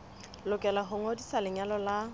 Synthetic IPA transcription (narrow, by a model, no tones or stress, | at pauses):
lʊkʼɛlaɦʊŋodisalɪɲalɔla